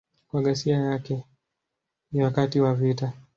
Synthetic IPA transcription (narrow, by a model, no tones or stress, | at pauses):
kwaɠasiajakɛ | nawakatiwavita